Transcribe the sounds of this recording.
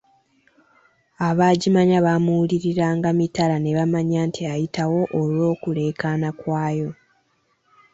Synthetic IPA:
aβaːɟimaɲaβamuuliɾiɾaːŋɡamitalane̞βamaɲaːntʰiajitawo̞ʔːlwo̞ːkule̞ːkanakwaːjo̞

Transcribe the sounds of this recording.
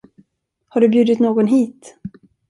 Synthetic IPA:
haɖɵbjʉːd̪ɪt̪noːɡɔnɦiːt̪

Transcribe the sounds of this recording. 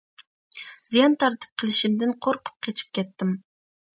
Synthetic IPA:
z̥ijɑnt̪ʰɑɾt̪ʰɨ̥p̚qʰəlˠɪʃimd̪ɪnqʰoɾqʰʊ̥p̚qʲʰet͡ʃʰi̥p̚kʲʰɛt̪ːɪm

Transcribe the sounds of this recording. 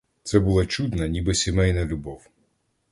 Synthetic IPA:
t̪sɛbʊlˠat͡ʃud̪nɐnʲibɪsʲimɛjnɐlʲʊbɔw

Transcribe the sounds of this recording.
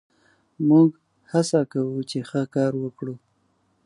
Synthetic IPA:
muɡ | hasakawut͡ʃexəkɑɾwəkɽu

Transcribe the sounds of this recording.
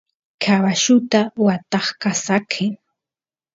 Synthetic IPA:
kʰawaʃʊt̪awat̪ɑχkasakʰɪŋ

